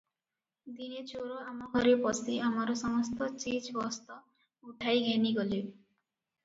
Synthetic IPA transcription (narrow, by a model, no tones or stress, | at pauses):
d̪inet͡ʃoɾoamɔɦɔɾepɔsiamaɾɔsɔmɔst̪ɔt͡ʃid͡ʒbɔst̪ɔ | uʈʰajɡɛniɡoli